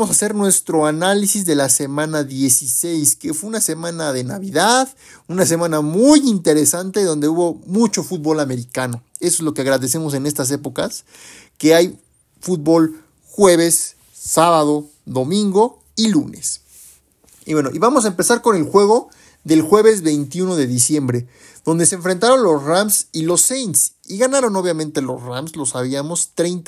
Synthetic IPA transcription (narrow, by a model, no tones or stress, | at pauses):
amosase̞ɾnwe̞st̪ɾo̞analisizðe̞lase̞mãnaðje̞sisejskefweunase̞mãnaðe̞naβiðaðunase̞mãnamujint̪e̞ɾe̞sant̪e̞ðo̞nd̪e̞uβo̞mut͡ʃo̞fut̪̚bo̞lame̞ɾikano̞e̞s̬oezlo̞keaɣɾaðe̞s̬e̞mo̞s̬e̞ne̞st̪as̬e̞po̞kas | ke̞aj | fut̪̚bo̞l | xwe̞β̞e̞sː | aβað̞o | ðo̞mĩŋɡo̞ | ilunes | iβwe̞noʔiβamo̞s̬aempe̞saɾko̞ne̞lxwe̞ɣ̞o̞ | ðe̞lxwe̞βe̞zβe̞jnt̪iuno̞ðe̞ðisje̞mbɾe | ð̥o̞nd̪e̞seːɱfɾe̞nt̪aɾo̞nlo̞sramsilo̞sejns | iɣanaɾo̞no̞βjamẽ̞nt̪e̞lo̞sramslo̞saβ̞iamo̞st̪ɾe̞jnt̪